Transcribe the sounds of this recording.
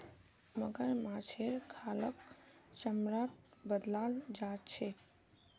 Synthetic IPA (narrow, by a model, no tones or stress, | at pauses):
məɡəɾmat͡ʃʰeɾkʰalək | t͡ʃəmɾaːt̪̚bəd̪laːld͡ʒat͡ʃʰe